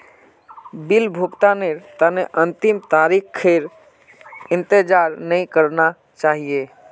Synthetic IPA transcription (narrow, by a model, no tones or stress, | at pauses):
bɪlbʱupt̪aneɾt̪əneʔə̃nt̪ɪmt̪aːɾikkʰːeɾ | ɪ̃nt̪ed͡ʒaːɾnəĩkəɾna | t͡ʃaːɦije